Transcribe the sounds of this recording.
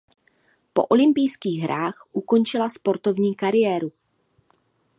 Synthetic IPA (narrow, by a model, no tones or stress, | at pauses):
po̞̰ʔo̞lɪmpɪjskiːɣɦɾaːxʔuko̞nt͡ʃɪlaspo̞ɾt̪o̞vɲiːkaɾɪjɛːɾu